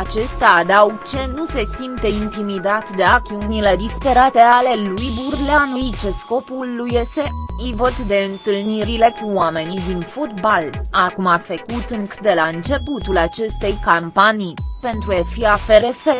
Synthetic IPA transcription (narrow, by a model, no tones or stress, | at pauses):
at͡ʃe̞st̪aːd̪auɡt͡ʃe̞nuse̞simt̪e̞int̪imid̪at̪d̪e̞ak̪iunile̞d̪ispe̞ɾat̪e̞ale̞lujburleanuit͡ʃe̞sko̞pulːujeseɨjvət̪d̪e̞ɨnt̪ɨlniɾile̞kuoame̞nid̪infot̪balakumafəkut̪ɨŋkɨd̪e̞laɨnt͡ʃe̞put̪ulat͡ʃe̞st̪e̞jkampanijpe̞nt̪ɾuefiafe̞ɾe̞fe